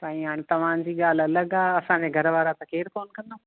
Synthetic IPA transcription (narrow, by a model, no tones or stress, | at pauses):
pãːĩɦaːɽ̃ĩt̪ɐʋ̤ãːnd͡ʑiːɠaːl̤ɐləɠaːɐsãd͡ʑẽɡʱɐɾʋaːɾat̪ɐkʰeːɾkoːnkɐ̃nd̪o